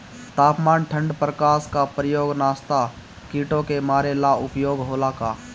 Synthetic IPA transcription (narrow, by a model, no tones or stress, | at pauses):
t̪aːpmaːnʈʰə̃ɳɖpɾəkaːskapɾəjoːɡnaːst̪a | kiːʈõkemaːɾelaːʊpjoːɡɦoːlakaː